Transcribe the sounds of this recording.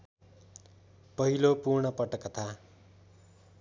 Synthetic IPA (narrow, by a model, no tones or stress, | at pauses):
pʌɦilopurɳʌpʌʈʌkːʌt̪ʰa